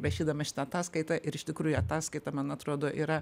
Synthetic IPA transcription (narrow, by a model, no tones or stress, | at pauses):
ɾɐʃʲiːd̪ɐmɐʃʲɪ̥t̪ɐɐt̪ɑːskɐɪt̪ɐʔɪɾɪʃt̪ʲɪkɾuːjʊɐt̪ɑːskɐɪt̪ɐmɐnɐt̪ɾoːd̪oːʔiːɾɐ